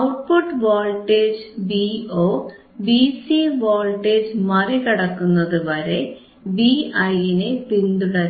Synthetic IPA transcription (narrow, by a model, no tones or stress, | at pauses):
ɐwʈ̚poʈːʋoːlʈːeːd͡ʑbioː | bisiʋoːlʈːeːd͡ʑmɐrekiɽɐkːunːɐðɨʋɐɾe̞ | biɐjinepind̪uɽɐɾ